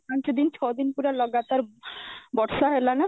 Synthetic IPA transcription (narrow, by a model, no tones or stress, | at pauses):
ãnt͡ʃɔd̪int͡ʃʰɔd̪inpuɾalɔɡat̪aɾbɔʈʃaɦelana